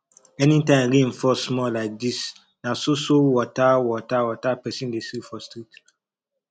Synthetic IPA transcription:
ɛnitãɪ̃ɾĩnfɔsmɔlaɪk̚dis | nasosowɔtawɔtawɔtapɛsĩndesifɔstɾit

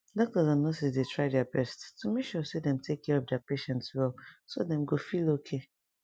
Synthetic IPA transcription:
dɔk̚tɔzɔ̃nːɔsisdetʰɹaɪdɛabɛsttumekʃɔsedɛ̃mtʰekʰːɛɹɔfdɛapeʃɛ̃ntswɛlsodɛ̃mɡofilokʰe

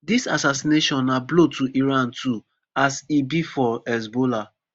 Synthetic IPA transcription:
disasasineʃɔ̃nːablotʰuʔiɹãntʰu | asibifɔɛs̬bola

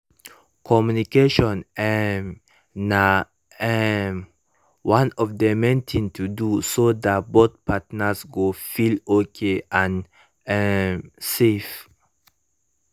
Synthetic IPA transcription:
kʰɔmjunikeʃɔ̃nɛm | na | ɛm | wãnɔvd̪əmẽnt̪ʰĩŋtʰudusod̪at̚bod̪pʰatnasɡofilokʰeʔãn | ɛsef

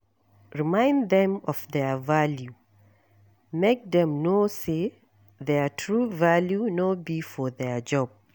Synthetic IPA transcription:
ɹimãɪ̃ndðɛ̃mɔvðɛvalju | mek̚ðɛ̃mnose | ðɛtʰɹuvaljunɔbifɔðɛd͡ʒɔb̥̚

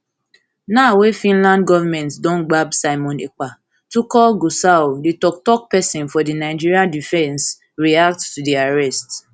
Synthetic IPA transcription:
nawefĩnlãndɡɔvamɛ̃ntdɔ̃nɡ͡babsaɪmɔ̃neka | tukɔlɡosaoditɔk̚tɔk̚pɛsĩnfɔdinaɪd͡ʒiɾiadifɛ̃ns | ɹiak̚ttudiaɹɛst

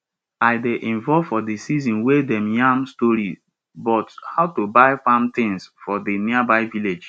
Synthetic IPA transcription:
aɪdeʔĩɱvɔlvfɔdesizɔ̃nwedɛ̃mjãmstɔɾi | bɔthaʊtubaɪfãmtɪ̃ŋsfɔdeniabaɪviled͡ʒ

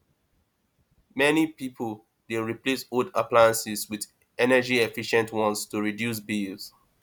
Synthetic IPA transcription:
mɛnipipʰəl | deɹiplesodaplaɪə̃nsizwið | ɛnəd͡ʒiefiʃɛ̃ntwɔ̃nstuɹidjus̬bilz̥

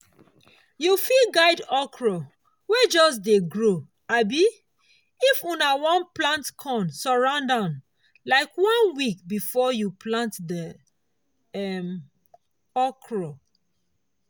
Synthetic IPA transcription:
jufilɡaɪdɔkʰɹɔ | wed͡ʒɔs̬deɡɹo | abi | ifũnawɔ̃nplãntkʰɔ̃nsɔɹãʊndãn | laɪkwɔ̃nwikbifɔjuplãntdə | ɛm | ɔkɹɔ

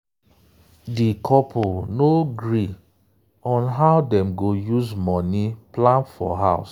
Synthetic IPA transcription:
dikʰɔpʰonoɡɹi | ɔ̃nɦaʊdɛ̃mɡojuzmɔniplãnfɔ̰ɦaʊs

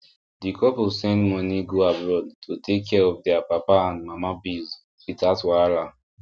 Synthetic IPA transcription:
dikʰɔposɛ̃ndmɔniɡoabɹɔdtʰotʰekʰːɛɹɔfdɛapapaãndmamabiz | fitatwaɹa

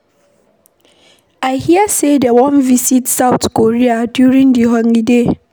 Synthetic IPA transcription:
aɪhiasedəwɔ̃nvisitsaʊtkoɹiadjuɹĩŋdiɦɔ̃ŋide

